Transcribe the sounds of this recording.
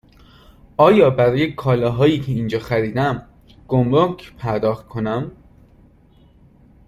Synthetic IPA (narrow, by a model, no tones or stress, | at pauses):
ɒːjɒːbæɾɒːje̞kʰɒːlɒːɦɒːjiːcʰe̞iːnd͡ʒɒːxæɾiːd̪æm | ɡ̥omɾokʰpʰæɾd̪ɒːxt̪̚kʰonæm